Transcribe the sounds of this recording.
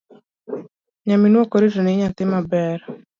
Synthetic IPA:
ɲaminwokɔɾitɔnɪɲat̪ɪmabɛɾ

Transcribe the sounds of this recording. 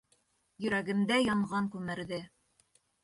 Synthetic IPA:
jɵ̆ɾæɡɘ̆md̪æjɑɴʁɑŋkʉmɘ̆ɾðɘ

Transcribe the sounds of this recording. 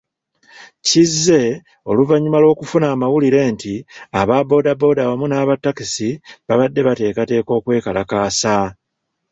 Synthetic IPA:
cizːe̞ | o̞luvaɲːumalwo̞ːkufunaːmawuliɾe̞ːntiaβabo̞ːdabo̞ːdaβamunaːβatːakisiβaβadːe̞βate̞ːkate̞ːko̞ːkwe̞ːkalakaːsa

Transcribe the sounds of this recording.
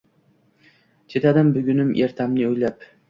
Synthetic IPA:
t͡ʃʰe̞t̪ad̪ɪmbʊɡʲʊnɪmʔeɾt̪ʰamnɪojlap

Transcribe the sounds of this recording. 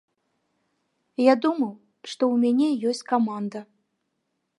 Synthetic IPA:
jad̪umɐw | ʂt̪ɔwmʲanʲɛjɔsʲt͡sʲkamand̪ɐ

